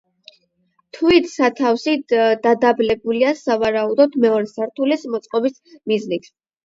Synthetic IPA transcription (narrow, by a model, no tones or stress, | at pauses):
t̪ʰvit̪ʰsat̪ʰafsid̪ad̪ablɛbuliasavaɾaud̪ɔd̪mɛɔɾɛsaɾt̪ʰulismɔt̪sʼqʼɔbis | miznit̪ʰ